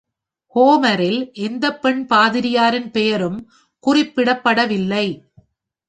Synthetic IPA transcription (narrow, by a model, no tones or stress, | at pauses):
hoːmɐɾɪlʔɛnd̪ɐpːɛɳpaːðɪɾɪjaːɾɪnpɛjɐɾɯm | kʊrɪpːɪɽɐpːɐɽɐʋɪlːɐɪ